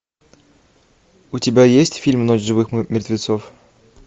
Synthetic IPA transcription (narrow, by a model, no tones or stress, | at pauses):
ʊtʲɪbʲajesʲtʲfʲilʲmnot͡ɕʐɨvɨxmʲɪrt̪vʲɪt̪sof